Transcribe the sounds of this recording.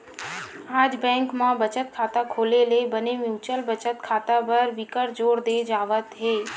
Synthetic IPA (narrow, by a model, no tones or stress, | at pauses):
aːd͡ʒbɛ̃ːŋkmãbət͡ʃət̪̚kʰaːt̪akʰoːlelebənemjũːt͡ʃəlbət͡ʃət̪kʰaːt̪apəɾʋɪkəɾd͡ʒoːɽd̪ed͡ʒaːʋət̪ɦeː